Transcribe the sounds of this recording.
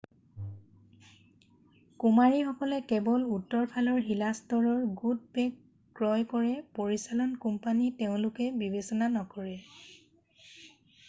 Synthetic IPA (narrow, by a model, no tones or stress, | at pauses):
kumaɹixɔkɔlɛkɛbɔlutːɔɹpʰalɔɹɦilastɔɹɔɹɡud̚pɛkː | ɹɔjkɔɹɛpoɹisalɔnkumpaniteʊ̃lʊkɛbibesɔnanɔkɔɹɛ